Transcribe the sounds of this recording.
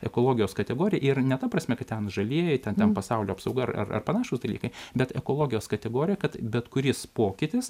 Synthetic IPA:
ɛkoːlˠoːɡʲɪjoːskɐt̪ʲɛɡoːɾʲɪjɛʔɪrnʲɛt̪ɐprɐsʲmʲɛkɐt̪t̪ʲɛnʒɐlʲeːjɛtʲɛnt̪ʲɛnpɐsɑʊlʲoːɐpsɐʊɡɐrɐ̰rɐ̰rpɐnɑːʃoʊsd̪ɐlʲiːkɐɪbʲɛt̪ɛkoːlˠoːɡʲɪjoːskɐt̪ʲɛɡoːɾʲɪjɛkɐt̪bʲɛt̪kʊɾʲɪspoːkʲɪt̪ʲɪs

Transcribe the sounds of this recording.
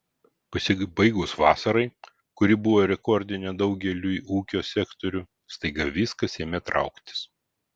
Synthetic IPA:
pɐsʲɪbɐɪɡʊsʋɑːsɐɾɐɪ | kʊɾʲɪbʊʋoːɾʲɛkɔɾʲd̪ʲɪnʲɛd̪ɐʊɡʲɛlʲuːiʔuːkʲoːsʲɛkt̪oɾʲuː | st̪ɐɪɡɐʋʲiːskɐsʲeːmʲɛt̪ɾʔɑ̰ˑʊkt̪ʲɪ̥s

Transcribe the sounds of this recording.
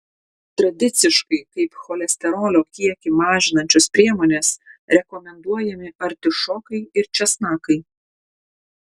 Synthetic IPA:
t̪ɾɐd̪ʲɪt̪sʲɪʃkɐɪkɐɪpxɔlʲɛsʲt̪ʲɛɾoːlʲoːkʲiɛkʲɪmɑːʒʲɪnɐnʲt͡ʃʲospʲɾʲiɛmoːnʲeːsɾʲɛkɔmʲɛnd̪uɔjɛmʲɪʔɐɾʲt̪ʲɪʃɔːkɐɪɪɾt͡ʃʲɛsnɑːkɐɪ

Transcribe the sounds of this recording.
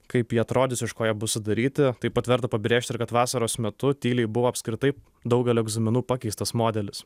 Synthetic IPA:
kɐɪpjiɐt̪ɾoːd̪ʲɪsɪʃkoːjɛbʊsʲɪd̪ɐɾʲiːt̪ʲɪt̪ɐɪpɐt̪ʋʲɛɾt̪ɐpɐbɾʲeːʃʲt̪ɪɾkɐt̪ʋɑːsɐɾoːsmʲɛt̪ʊt̪ʲiːlʲɛɪbʊʋoːɐpʲsʲkɾʲɪt̪ɐɪ | d̪ɐʊɡʲɛlʲoːɛɡzɐmʲɪnuːpɑkʲɛɪst̪ɐsmoːd̪ʲɛlʲɪs

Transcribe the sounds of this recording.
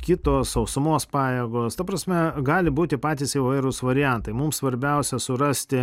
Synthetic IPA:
kʲɪt̪oːsɐʊsʊmoːspɑːjeːɡoːst̪ɐpɾɐsʲmʲɛɡɑːlʲɪbuːt̪ʲɪpɑːt̪ʲiːsɪʋɐɪɾʊsʋɐɾʲɪjɛnt̪ɐɪmʊmssʋɐɾʲbʲɛʊsʲɛsʊɾɑsʲt̪ʲɪ

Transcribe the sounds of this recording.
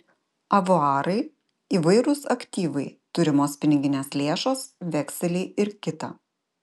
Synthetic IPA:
ɐʋoɑːɾɐɪ | iːʋɐɪɾʊsɐkʲt̪ʲiːʋɐɪt̪ʊɾʲɪmoːspʲɪnʲɪɡʲɪnʲeːslʲeːʃoːsʋʲɛkʲsʲɛlʲɛɪɪɾkʲɪt̪ɐː

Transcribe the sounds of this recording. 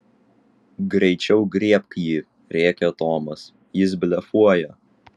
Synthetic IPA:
ɡɾʲɛɪt͡ʃʲɛʊɡɾʲiɛp̚kjiː | ɾʲeːkʲɛt̪oːmɐs | jɪs̬bʲlʲɛfuɔjɛ

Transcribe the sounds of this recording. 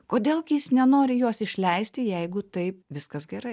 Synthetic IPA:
koːd̪ʲeːlˠkʲɪsnʲɛnoːɾʲɪjoːsɪʃʲlʲɛɪsʲt̪ʲɪjɛɪɡʊt̪ɐɪp̚ʋʲɪskɐsɡʲɛɾɐɪ

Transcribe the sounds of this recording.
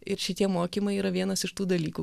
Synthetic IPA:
ɪɾʃʲɪt̪ʲiɛmoːkʲiːmɐɪiːɾɐʋʲiɛnɐsɪʃt̪uːd̪ɐlʲiːkuː

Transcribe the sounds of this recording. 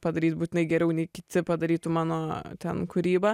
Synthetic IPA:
pɐd̪ɐɾʲiːt̪̚buːt̪ʲɪnɐɪɡʲɛɾʲɛʊnʲɛɪkʲɪt̪ʲɪpɐd̪ɐɾʲiːt̪umɑːnoːt̪ʲɛnkʊɾʲiːbɐ

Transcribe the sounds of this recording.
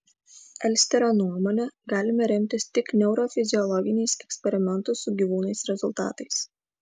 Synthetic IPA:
ɛlʲsʲt̪ʲɛɾoːnuɔmɔːnʲɛɡɑːlʲɪmɐɾʲɛmʲt̪ʲɪst̪ʲɪknʲɛʊɾoːfʲɪzʲɪɔlˠɔɡʲɪnʲɛɪsɛksʲpʲɛɾʲɪmʲɛnt̪ʊsʊɡʲiʋuːnɐɪsɾʲɛzʊlˠt̪ɑ̰ːt̪ɐɪs

